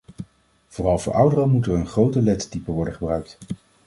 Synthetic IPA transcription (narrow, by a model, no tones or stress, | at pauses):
v̥ʊːrɑlˠvʊ̰ːɹʔʌwdərəmutəɹənχrowtəlɛttipəʋɔɹdəχəbrœɥk̚t